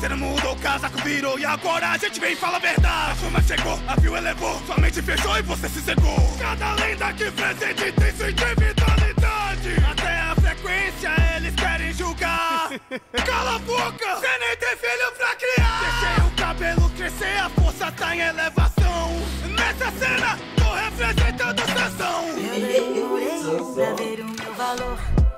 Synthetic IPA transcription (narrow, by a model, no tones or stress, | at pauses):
osenɐ̃mud̪okazakʊviɾoɪaɡɔɾɐaʒẽt͡ʃɪvẽj̃ɪfalɐveɾd̪ad͡ʒafũmɐʃeɡoaviwelevosuamẽt͡ʃɪfeʃoɪvosesɪseɡokad̪ɐlĩd̪ɐkɪfɾezẽd͡ʒ̪ẽt̪ẽj̃suĩt̪ɾivit̪alid̪ad͡ʒɪat̪ɛɐfɾekwẽsiɐelɪskɛɾẽj̃ʒuɡa | kalabokɐsẽnẽj̃t̪ẽj̃filʊpɾɐkɾiakɾeseɾʊ̃kabelʊkɾeseɾɐfoɾsɐt̪ẽj̃elevasɐ̃w̃nɛsɐsẽnɐ | d̪ohepɾezẽt̪ɐ̃d̪ʊsẽsɐ̃w̃ | aeɾũmevaloɾ